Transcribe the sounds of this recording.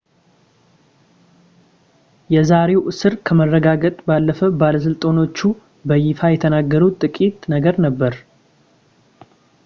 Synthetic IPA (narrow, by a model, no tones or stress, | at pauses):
jɛzaɾe̞wʔɨsɨɾkʰəmərːəɡaɡət̪ʼbalːəfəbaləs̬ɨlt̪ʼono̞t͡ʃːu | bəjɪfajɛt̪ʰənaɡːəɾut̪ʼɨkʼit̪ʼnəɡəɾnəbːəɾ